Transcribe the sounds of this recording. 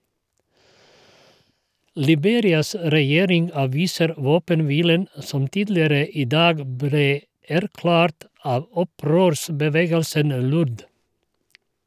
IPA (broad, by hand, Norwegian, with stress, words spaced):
lɪˈbeːɾɪɑs ɾɛˈjeːɾɪŋ ɑːˈʋiːsəɾ ˈʋoːpənˌʋiːlən ə ˈsɔm ˈtiːdlɪəɾə ˈiː ˈdɑːɡ ˈbɾeː ˈæɾˌklæːɾt ˈɑʋ ˈɔˌpɾøːɾsbəˌʋeːɡəlsən ˈlʊɾð